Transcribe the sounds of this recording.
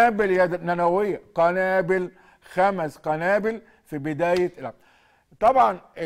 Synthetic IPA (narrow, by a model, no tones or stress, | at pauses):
abɪljæd̪nænæwɪjːaqɑnæːbɪl | xæmsqænæːbɪl | fibɪd̪æːjælæ | t̪ˤɑbʕɑnʔ